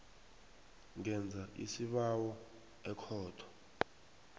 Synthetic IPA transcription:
ŋɛnd͡zʱaʔḭsiɓawɔ | ɛkʰɔːtʰɔ̥

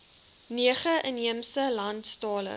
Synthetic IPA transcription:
niəχəʔəniəmsəlɐntstɑːlə̰

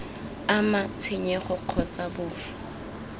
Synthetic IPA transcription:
amat͡sʰɪɲɛχʊq͡χʰɔt͡sʼabʊːfɔ̥

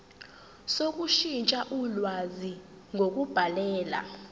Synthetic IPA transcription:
sok̬ʼuʃint͡ʃʼaʔulwazi | ŋʱok̬ʼub̥ʱalɛːla̰

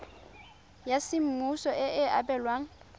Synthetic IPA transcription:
jasɪm̩musɔʔɪɪa̰pʼɛlwaːŋ̩

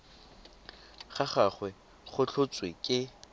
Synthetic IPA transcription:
χaχaχwɛ | χʊt͡ɬʰʊt͡sʼwekʼɪ

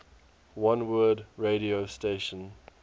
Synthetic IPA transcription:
wʌ̃nwɜːdɹeɾiosteʃə̃n

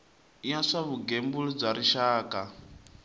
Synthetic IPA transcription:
iasaβuɡembuɺid͡zaɾiʃaːka

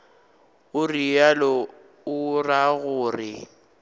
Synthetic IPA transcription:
ʊrijalɔ | ʊraɣʊːrɪ

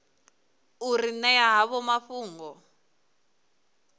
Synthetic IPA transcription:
uɾinɛjaɦaβɔmaɸuːŋɡɔ

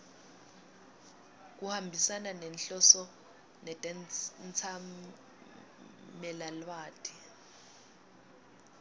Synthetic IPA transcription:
k̬uhambʱisananɛnɬɔsɔ | nɛtʼɛnt͡sʰa | mɛlalwaːtʰi

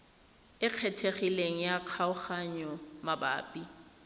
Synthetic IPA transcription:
ɪq͡χʰɛtʰeχileŋ̩jaq͡χʰaʊχaɲɔmaba̰ːpʼi

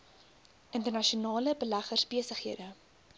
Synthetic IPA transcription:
ʔəntərnɐʃiunɑːləbəlæχərsbiəsəχhiədə

